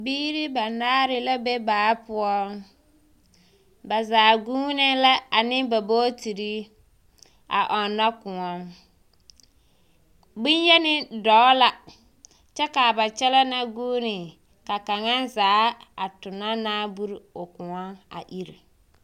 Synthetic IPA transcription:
biː˦ɾɪ˦ba˨naː˦ɾɪ˨la˦be˦baː˨˦pʊ˦ɔ˦ | ba˨zaː˨ɡu˦nɛ˦la˦a˨nɪ˦ba˨boː˦ti˨ɾi˦ | a̰˨ʔɔ˨na˦kʊ˨ŋɔ˦ŋ | bi˦njɛ˦nɪ˦dɔː˨˦la˦ | t͡ʃɛ˦ka˨ba˨t͡ʃɛ˦la˦na˦ɡuː˦nɪ˨ | ka˨ka˨ŋa˦nzaː˨˦a˨tʊ˨na˦naː˦bu˦ɾʊ˨kʊ˨ŋɔ˦ŋa̰˨ʔi˦ɾḭ˨

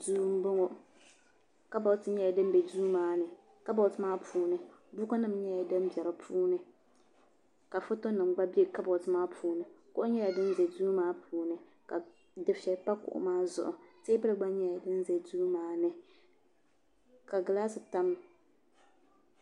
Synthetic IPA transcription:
duː˦m̩˦bʊ˦ŋo˨ | ka˦bɔ˨ltɨ˨ɲɛ˦ja˨dɨ˦m˦bɛ˨duː˦maː˦nɨ˨ | ka˦bɔ˨ltɨ˦maː˦pʰuː˨˦nɨ˨bu˦ka˦nɨ˦m˦ɲɛ˦ja˨dɨ˦m˦bɛ˨ɾɨ˨pʰuː˦nɨ˨ | ka˨fʊ˦to˦nɨ˨mɡ͡ba˦bi˦e˦˨ka˦bɔ˨ltɨ˨maː˦pʰuː˨˦nɨ˨kʊ˦ʔʊ˦ɲɛ˦ja˨dɨ˦n˦zɛ˨duː˦maː˦pʰuː˨nɨ˨ | ka˨ | dɨ˨fɛ˨pa˦kʊ̰˨ʔʊ̰˨maː˦zʊ̰˨ʔʊ˨se˦bɨ˦lɨ˨ɡ͡ba˦ɲɛ˦ja˨dɨ˦n˦zɛ˨duː˦maː˦nɨ˨ | ka˨ɡɨ˨laː˦sɨ˨ta˦m˦

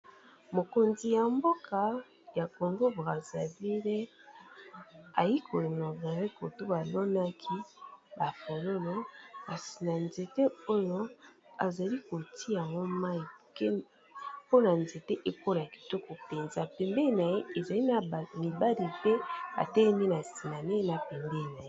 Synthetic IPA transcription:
mo˨ko˨nzi˨ja˨mbo˦kʰa˨ | ja˨ko˨ŋɡo˦bʁa˨za˨vi˦le˦ | a˨ji˦kʰo˨no˨ba˨ɾe˦ko˨to˦ba˨lo˦na˦kʰi˦ba˨fo˨lo˦no˦ka˨si̥˨na˨nze˨te˦o˦jo˦ | a˨za˨li˦ko˨tʰi˦ja˨ŋɡo˦ma˦i˨ke˦ | po˦na˨nze˨te˦ʔe˦po˦la˨ki̥˦to˦ko˨pe˨nza˨pɛ˨mbe˦˨na˨je˦e˨za˨li˦na˨mi˨ba˦li˨tɛ˦a̰˨tɛ˦lɛ˦mi˦na˨si˨na˨ne˦na˨pɛ˨mbɛ˦i˨na˨je˦

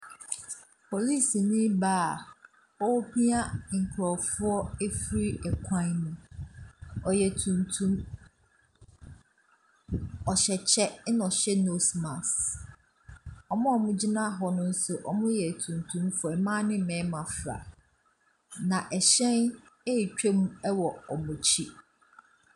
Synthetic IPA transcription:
pʰo˨li˦˨si˨nĩ˦baː˦˨ | ɔ˦pi˦a˦ŋ̩˨kʰɾɔ˨fʊ˦ɔ˦e˦fɾi˦ɛ˨kʷʰã˦nnũ˨ | ɔ˨jɛ˨tʰũ˨ntʰũ˦m | ɔ˨ɕɛ˨t͡ɕʰɛ˦nɔ̃˨ɕɛ˦no˦smã˨s | ɔ˨mʊ̃˦ɔ˨mʊ̃˦d͡ʑi˦nã˦˨ɦɔ˨nʊ̃˦n̩˦sʊ˨ʔɔ˨mʊ̃˦jɛ˨tʰũ˨ntʰũ˦mfʊ˨ɛ˨mã˦nɪ̃˦˨mɛ̃˨˦mã˨fɾa̰˨ | nã˨ʔɛ˨ɕɛ̃˦n | e˦i˨t͡ɕᶣe˦mũ˦ɛ˦wɔ˨ɔ˨mʊ̃˨t͡ɕʰi˦

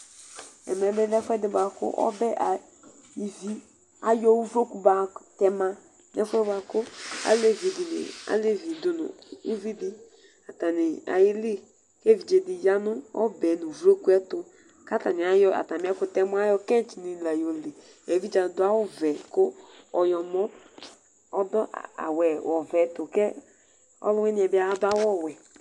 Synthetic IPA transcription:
ɛ̰˨mɛ˨˦bɛ˦lɛ˦fɛ˦dɪ˨ba˨kʊ̰˦ʔɔ̰˦bɛ˦ʔa˨ | i˨vi˦ | a˨jɔ˦wu˦vɾo˦ku˦ba˨tɛ˦mã˦ | nɛ˦fɛ˦ba˨kʊ˦a̰˦le˦˨vi˨dɪ˨nɪ̰˨a̰˨le˦˨vi˨dʊ˨˦nʊ̰̃˨u˦vi˦dɪ˦ | a˨ta˨nɪ˨a̰˨jɪ˦li˦ | ke˦vi˨d͡ʒe˨dɪ˨ja˦nʊ˦ɔ̰˦bɛ˨nʊ˨vɾo˦ku˦ɛ˦tʊ˨ | ka˦ta˨nɪ˨a˨jɔ˦ʔa̰˨ta˨m˨˦ɛ˦kʊ˨tɛ˦mʊ˦a˦jɔ˦kɛ̃˦t͡ʃi˨ni˨la˨jo˨le˨ | e˨vi˦d͡ʒa˨˦dʊ˦a˦wʊ˦vɛ˨kʊ˦ | ɔ˨jɔ˨mɔ˦ | ɔ˦dɔ˦ʔa̰˨wɛ˨wɔ˨vɛ˨tʊ˨kɛ˦ | ɔ̰˦lʊ˦ɛ˦nɪ˨ɛ˨bɪ˦a˦dʊ˦a˦wɔ˦˨wɛ˨

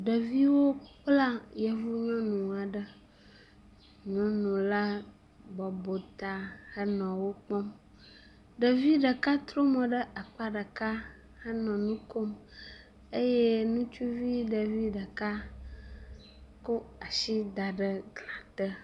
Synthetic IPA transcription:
ɖə˨vi˦wo˦k͡pla˦jə˨vu˦ɲɔ̃˦nũ˨a˨ɖə˦ | ɲɔ̃˦nũ˨la˦ | bɔ˨bo˨t̪a˨hə˦nɔ̃˨wo˦k͡pɔ˦m | ɖə˨vi˦ɖə˨ka˦t̪ɾo˦mɔ̃˨ɖə˦ʔa˨k͡pa˦ɖə˨ka˦ | hə˦nɔ̃˨nũ˦ko˦m | e˦je˦nũ˦t͡ʃu˦vi˦ɖə˨vi˦ɖə˨ka˦ | ko˦a˨ʃi˦d̪a˨ɖə˦ɡla˨t̪ə˦

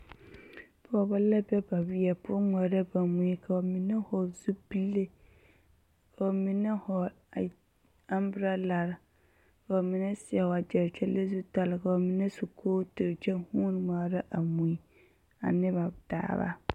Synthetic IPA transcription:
pʰʊ˦ɔ˨ba˦lɛ˦bɛ˦ba˨bɪ˦ɛ˨pʊ˦ŋa˨ɾa˦ba˨mũ˨i˦kʰa˨ɔ˨mĩ˨nɛ˦hɔ˨zu˦bi˦lːe˦ | kʰa˨ɔ˨mĩ˨nɛ˦hɔ˨ | a˦mbɾa˦la˨ɾ | ka˨ɔ˨mɪ̃˨nɛ˦sɪ˨ɛ˨wa˨d͡ʒɛ˨ɾt͡ʃʰɛ˦le˦zu˦ta˨lɪ˨ka˨ɔ˨mɪ̃˦nɛ˦su˨kʰoː˦tɪ˨ɾt͡ʃɛ˦huː˦n˦ŋa˨ɾa˦ʔa˨mũ˨i˦ | a̰˨nɪ˦ba˨d̥a̰ː˨˦ba̰˦

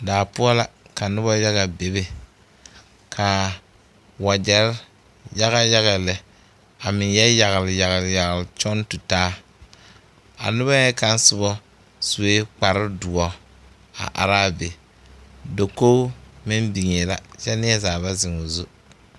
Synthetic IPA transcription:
daː˨pʊ˦ɔ˦la˦ka˨nʊ˦bɔ˦ja˦ɣa˨be˨be˨ | kʰa˨ | wa˨d͡ʒɛ˨ɾ | ja˦ɣa˦ja˦ɣa˨lɛ˨ | a˨mɪ˨ŋjɛ˦ja˨ɣɪ˨lja˨ɣɪ˨lja˨ɣɪ˨lt͡ʃɔ˦ntu˨taː˦ | a̰˨nʊ˦βɔ˦jɛ˦ka˦n˦sʊ˦bɔ˦ | su˨we˦k͡pa˨ɾɪ˦dʊ˨ɔ˨ | a̰˨ʔa̰˨ɾaː˦be˨ | do˨ko˦mɪ˦mbi˨ŋe˨la˨t͡ʃɛ˦nɪ˦ɛ˦zaː˨βa˦zɪ˨ŋʊ˨zu˦

